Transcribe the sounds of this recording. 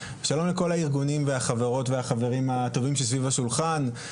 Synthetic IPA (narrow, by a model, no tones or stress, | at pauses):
ʃalo̞mleko̞laiʁɡunimveaχaveʁo̞tveaχave̞ʁimato̞vimʃesvivaʃulχan